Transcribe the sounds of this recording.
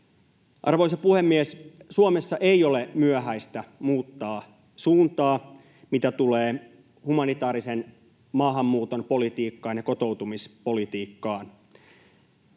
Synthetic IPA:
ʔɑ̰rʋoisɑpuhemːiessuomesːɑʔejo̞lemyøɦæist̪æmuːt̪ːɑː | suːnt̪ɑː | mit̪æt̪uleː | humɑnit̪ɑːɾisen | mɑːɦɑmːuːt̪onpo̞lit̪iːkːɑːnjɑko̞t̪o̞wt̪umispolit̪iːkːɑːn

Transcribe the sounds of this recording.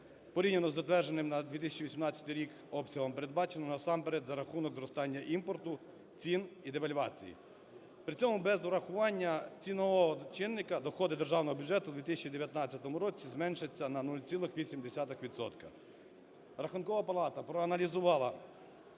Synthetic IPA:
pɔɾʲinʲenɔzːɐt̪ʋɛrʒenɪmnɐd̪ʋʲit̪ɪsʲɐt͡ʃiʋʲisʲimnɑt͡sʲːɐt̪ɪjɾʲik | ɔpsʲɐɦɔmpe̞ɾed̪̚bɑt͡ʃenɔnɐsɑmpeɾɛd̪zɐɾɐxunɔɡzɾɔst̪ɑnʲːɐʔimpɔrt̪ʊ | t͡sʲinid̪eʋɐlʲʋɑt͡sʲḭjḭ | pɾɪt͡sʲɔmʊbɛzʊɾɐxʊʋɑnʲːɐt͡sʲinɔʋɔɦɔt͡ʃɪnːɪkɐd̪ɔxɔd̪ɪd̪erʒɑwnɔɦɔbʲʊd͡ʒɛt̪ʊd̪ʋʲit̪ɪsʲɐt͡ʃid̪eʋʲjɐt̪nɑt͡sʲːɐt̪ɔmʊɾɔt͡sʲizmɛnʃet͡sʲːɐnɐnulʲt͡sʲilˠɪxʋʲisʲimd̪esʲat̪ɪxʋʲid̪sɔ̰t̪kɐ | ɾɐxʊnkɔʋɐpɐlˠɑt̪ɐpɾɔɐnɐlʲizʊʋɑlˠɐ

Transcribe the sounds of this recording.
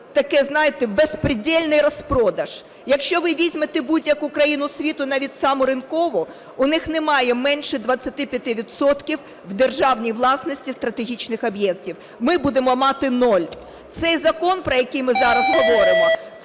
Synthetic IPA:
t̪ɐkɛznɑjɪt̪ɛbespɾɪdʲɛlʲnɪjrɔspɾɔd̪ɐʒ̥ | jɐkʃt͡ʃɔʋɪʋʲizʲmet̪ɪbudʲjɐkukɾɐjinʊsʲʋʲit̪ʊnɑʋʲidʲsɑmʊɾɪnkɔʋɔ | ʊnɪxnemɑjɛmɛnʃɛd̪ʋɐt͡sʲːɐt̪ɪpʲjɐt̪ʲɪʋʲid̪sɔt̪kʲiw | wd̪erʒɑwnʲijʋlˠɑsnɔsʲtʲist̪ɾɐt̪eɦʲit͡ʃnɪxɔbjɛk̚tʲiw | mɪbud̪emɔmɑt̪ɪnɔlʲ | t̪sɛjzɐkɔnpɾɔjɐkɪjmɪzɑɾɐzɦɔʋɔɾɪmɔ

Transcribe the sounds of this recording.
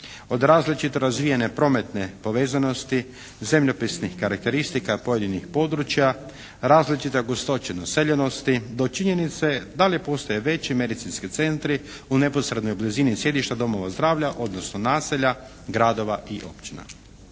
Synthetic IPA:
o̞d̪ɾaːzlit͡ʃit̪o̞ɾazʋijanepɾo̞met̪ne̞po̞ʋeːzano̞st̪i | ze̞mʎopisnixkaɾak̚t̪e̞ɾist̪ikapo̞je̞d̪inixpo̞ːd̪ɾut͡ʃja | ɾaːzlit͡ʃit̪e̞oɡost̪o̞t͡ʃenaseʎeno̞st̪id̪o̞t͡ʃiɲenit̪se̞d̪alipo̞ːst̪ojeʋe̞t͡ɕime̞d̪it̪sinskit̪se̞nt̪ɾi | une̞po̞sɾe̞d̪no̞jblizinisje̞d̪iʃt̪ad̪o̞mo̞ʋazd̪ɾaːʋʎaʔo̞d̪nosnonaːseʎa | ɡɾaːd̪o̞ʋaʔiʔo̞̰pt͡ʃina̰

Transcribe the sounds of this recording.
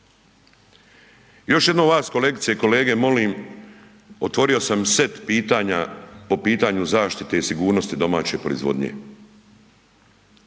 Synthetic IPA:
jo̞ʃjed̪noːʋaːsko̞le̞kt̪sije̞ko̞le̞ːɡe̞mo̞liːm | o̞t̪ʋo̞ɾio̞samse̞t̪piːt̪aːɲapo̞piːt̪aɲuzaːʃt̪it̪e̞isiɡuːɾno̞st̪id̪o̞ma̰ːt͡ɕe̞pɾo̞ḭzʋo̞̰d̪ɲḛ

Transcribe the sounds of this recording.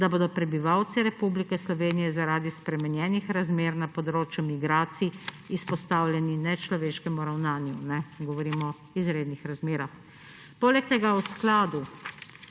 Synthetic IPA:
d̪aboːd̪ɔpɾɛbiʋawt̪siɾɛpublikɛslɔʋeːnijɛzaɾaːd̪ispɾɛmɛnjɛːnixɾazmeːɾnapɔd̪ɾoːt͡ʃjumiɡɾaːt̪siː | spɔst̪aːwljɛninɛt͡ʃlɔʋeːʃkɛmuɾawnaːnjunɛɡɔʋɔɾiːmɔ | izɾeːd̪nixɾazmeːɾax | poːlɛk̚t̪ɛɡawsklaːd̪u

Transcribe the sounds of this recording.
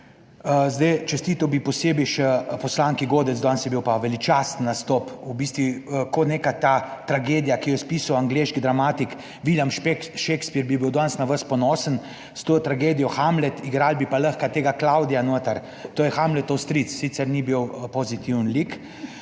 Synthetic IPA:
zd̪ɛjt͡ʃɛst̪iːt̪əwbipɔseːbiʃɛpɔslaːŋkiɡoːd̪ɛt̪zd̪ɔnsjɛbiwpaʋɛlit͡ʃast̪nːast̪ɔpubiːst̪ʋikoneːkat̪at̪ɾaɡeːd̪ijakijɔjɛspiːsɐwaŋɡleʃkid̪ɾamaːt̪ik | ʋiljampʃekspiɾbibiwd̪ɔnsnaʋəspɔnɔːsən | st̪ot̪ɾaɡeːd̪ijɔxamlɛt̪iɡɾaːlbipaləxkat̪eːɡaklawd̪ijanot̪əɾ | t̪oːjɛxamlɛt̪ɔwst̪ɾit̪ssit̪sɛɾnibiwpozit̪iwənlik

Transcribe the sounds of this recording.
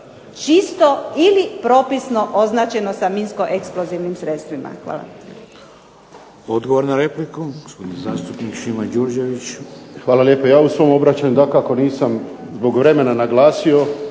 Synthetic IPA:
t͡ʃist̪oilipɾo̞pisno̞ʔoznaːt͡ʃe̞nosaminsko̞ʔeksploziʋnimsɾet̪st̪ʋima̰xʋa̰ːla̰ | od̪ɡoʋoɾnaɾeplikuɡospod̪nezaːst̪upnikʃimad͡ʒuɾd͡ʒeʋit͡ʃxʋaːlaljeːpojaːusʋo̞mobɾat͡ɕaɲud̪akako̞niːsamzbo̞ɡʋɾe̞me̞nanaɡlaːsio̞

